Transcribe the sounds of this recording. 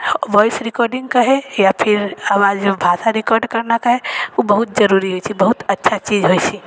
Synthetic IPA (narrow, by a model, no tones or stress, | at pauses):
ʋɔjsɾɪkɔɾɖĩŋɡ̚kəɦejapʰiɾaʋad͡ʒbʱasaɾɪkɔɾɖkəɾnakəɦeubəɦut̪̚d͡ʒəɾuɾiɦojt͡ʃʰibəɦut̪ətːʃʰat͡ʃid͡ʒɦojt͡ʃʰi